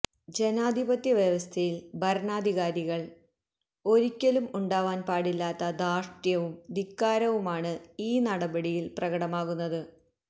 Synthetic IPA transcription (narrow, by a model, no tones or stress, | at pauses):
d͡ʑe̞naːd̪ʱibɐt̪jɐʋjɐʋɐst̪ʰɐjilbʱɐɾnaːd̪ʱiɣaːɾiɣɐɭ | o̞ɾikʲːɐlumuɳɖaːʋaːnpaːɽilːaːt̪ːɐd̪aːʂʈjɐʋumd̪ikːaːɾɐʋumaːɳɨiːnɐɽɐbɐɽijilprɐɣɐɽɐmaːɣunːɐðɨ